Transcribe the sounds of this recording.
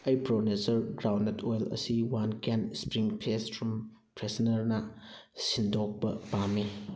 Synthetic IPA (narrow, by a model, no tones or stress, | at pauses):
ɐjpɾonesɐɾɡɾawnɐtʰojlɐ̰siwankenspɾiŋpʰesfʰɾɔm | pɾesɐnɐɾnɐsindok̚pɐ̰pamːi